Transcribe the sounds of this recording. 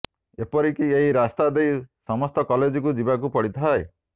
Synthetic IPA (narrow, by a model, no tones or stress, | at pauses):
epɔɾikieɦiɾast̪ad̪ejsɔmɔst̪ɔkɔled͡ʒikud͡ʒibak̬upɔɽit̪ʰae